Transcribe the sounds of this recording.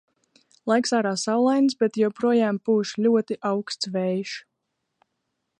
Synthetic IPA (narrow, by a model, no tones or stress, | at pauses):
lˠajksaːɾaːsawlˠajnsbʲɛt̪jɛwpɾuɔjaːmpuːʃlʲuɔt̪iʔawkst̪svɛjʃ